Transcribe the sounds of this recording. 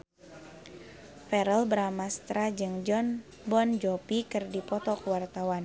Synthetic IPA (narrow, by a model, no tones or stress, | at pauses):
fɛɾəlbəɾamast̪ɾad͡ʒɨŋd͡ʒɔn | bɔnd͡ʒɔpikɨrdipɔt̪ɔkwart̪awan